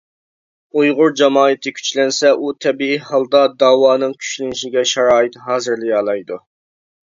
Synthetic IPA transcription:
ujʁʊɾd͡ʒɑmɑːɨt̪ʰɨkʲʰy̥t͡ʃlɛnsɛʔut̪ʰɛbiihɑlˠd̪ɑd̪ɑːwɑːnɨŋkʲʰy̥ʃlɪnɪʃɪɡʲɛʃɑɾɑːɨt̪ɦɑːzɨɾlɪjɑːlˠɑjd̪u

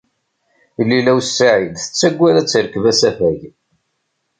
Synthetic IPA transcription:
lːilæwsːaʕilθə̥t͡sːæɡʷːæɾæt͡sːəɾəkːəvæsæfæʝ

